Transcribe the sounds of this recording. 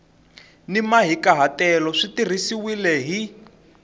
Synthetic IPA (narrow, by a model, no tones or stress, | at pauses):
nimaɦikaɦatɛlɔʂitir̤isiwilɛɦi